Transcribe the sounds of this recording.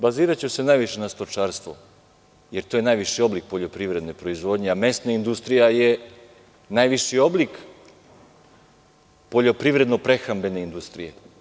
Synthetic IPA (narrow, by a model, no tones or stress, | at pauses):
baziːɾat͡ɕuse̞najʋiʃenast̪ot͡ʂaːɾst̪ʋo | jeɾt̪oje̞najʋiʃio̞blik̚poʎo̞pɾiʋɾe̞d̪nepɾo̞izʋo̞d̪ɲeame̞st̪naind̪ust̪ɾijaje | najʋiʃio̞blik | po̞ʎo̞pɾiʋɾe̞d̪nopɾe̞xambe̞ne̞ind̪ust̪ɾijḛ